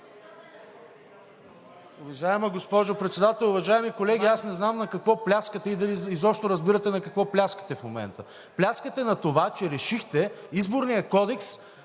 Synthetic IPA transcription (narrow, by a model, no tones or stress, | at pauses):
ʊvɐʒaɛmɐɡospɔʒopɾɛt̪sɛd̪at̪ɛlˠʊvɐʒaɛmikolɛɡʲiasnɛznamnɐkɐkvɔplʲaskət̪ɛid̪ɐliizɔpʃt̪oɾɐzbiɾət̪ɛnɐkɐkvɔplʲaskə̥t̪ɛfmomɛ̰nt̪ə | plʲaskət̪ɛnɐt̪ovat͡ʃɛɾɛʃixt̪ɛizboɾnijɐkɔd̪ɛks